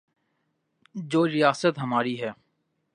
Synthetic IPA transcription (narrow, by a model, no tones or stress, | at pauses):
d͡ʒoːɾɪjaːsət̪ɦɐmaːɾiɦɛː